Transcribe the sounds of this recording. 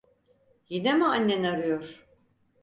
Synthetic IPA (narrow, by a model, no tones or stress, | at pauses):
jinemɯanʲːenaɾɯjoɾ̥